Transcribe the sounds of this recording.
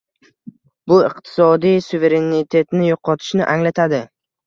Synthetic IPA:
bʊɪqt̪ʰɪ̥sɒd̪ijsuve̞ɾe̞nɪt̪ʰe̞t̪nɪjoqʰɒt̪ʰɪ̥ʃnɪʔaŋlat̪ʰad̪ɪ

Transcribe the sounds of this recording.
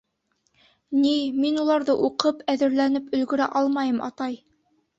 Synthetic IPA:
niminulˠɑɾðɤʔuqɤpʰæðɘ̆ɾlænɘpɵ̆lɡɵ̆ɾæ̰ʔɑlˠmɑjɤmɑ̰t̪ɑj

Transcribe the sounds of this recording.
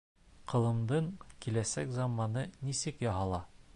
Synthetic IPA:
qɤ̆lˠɤ̆md̪ɤɴkilæsækzɑmːɑnɤnisɘkjɒɦɑlˠɑ

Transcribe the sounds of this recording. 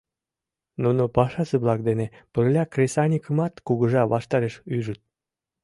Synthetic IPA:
nunopɑʃɑseβlɑk̚d̪enepərlʲɑkrʲesɑnʲikəmɑt̪kuɣə̆ʒɑβɑʃt̪ɑɾeʃyʒət̪̚

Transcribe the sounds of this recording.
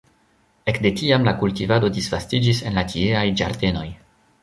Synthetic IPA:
e̞kde̞tiamlakultivado̞disvastid͡ʒisenlatʰieajd͡ʒa̰ɾde̞no̞j

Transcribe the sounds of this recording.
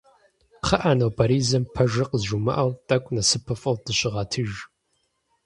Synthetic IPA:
qʰɐʔaːnɐwpʰɐɾiːzɐmpʰɐʒɐqəzʒumɐ̰ʔɐwtʼɐkʷʼnɐsɨpʰɐfʼɐwdɨɕʼɪʁɑtʰɨʒ

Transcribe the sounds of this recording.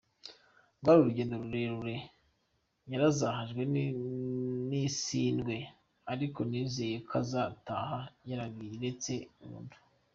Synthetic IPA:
ɡwaɾuɾuɟeːndoɾuɾe̞ɾuɾe̞ | jaɾazaɦaʒɡwe̞ | nisiːnɡwe̞ | aɾiko̞nize̞ːjekʰazataːhajaɾaɡɡiiɾet͡se̞umṵːndu̥

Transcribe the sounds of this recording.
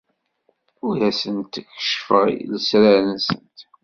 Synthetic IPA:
ʊɾæsənt̪çə̥ʃfəʁ̰ðəsɾæɾənsənt̪

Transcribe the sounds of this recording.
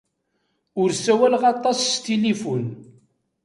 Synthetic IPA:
ʊɾsæwælʁɑt̪ˤːɑsːt̪ilifʊn

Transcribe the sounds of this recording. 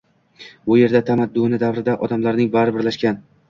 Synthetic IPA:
ʊje̞ɾd̪at̪ʰamad̪ːʊnɪd̪avɾɪd̪aʔɒd̪amlaɾnɪŋbaɾɪbɪɾlaʃkʲan

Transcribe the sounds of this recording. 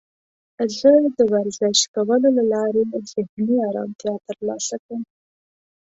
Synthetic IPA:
zəd̪əwaɾzɪʃkawəlolalɑɾez̥ɪhniɑɾɑ̰mt̪jɑt̪əɾlɑ̰sakɽəm

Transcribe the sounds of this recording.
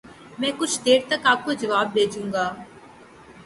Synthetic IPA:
mɛ̃ːkʊt͡ʃʰd̪eːɾt̪əkaːp̚kod͡ʒəʋaːb̪̚ːeːd͡ʒũːŋɡaː

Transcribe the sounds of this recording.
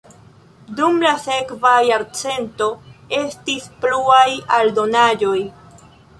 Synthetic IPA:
dumlase̞kvajaɾt͡se̞nto̞e̞stispluajaldo̞nad͡ʒo̞j

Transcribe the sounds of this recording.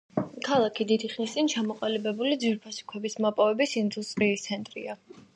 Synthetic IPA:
kʰalˠakʰid̪id̪iχnist̪sʼint͡ʃʰamɔqʼalibɛbulid̪zwiɾpʰasu̥kʰwɛbismapʼɔvɛbisind̪ust̪ʼɾiːst̪sʰɛnt̪ʼɾḭa

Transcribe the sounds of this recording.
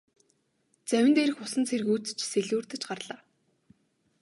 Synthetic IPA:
t͡sæwʲɪ̆nt̪eːɾɘ̆xʊsə̆nt͡sʰeɾɘ̆ɣut͡st͡ɕʰseɮuːrt̪ɘ̆t͡ɕɢarɮaː

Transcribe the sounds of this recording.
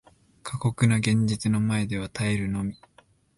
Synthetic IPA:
kʰako̞kɯ̟noɡẽ̞ɲ̟d͡ʑit͡sɨno̞mae̞d̪e̞β̞at̪ʰaeɾɯ̟no̞mʲi

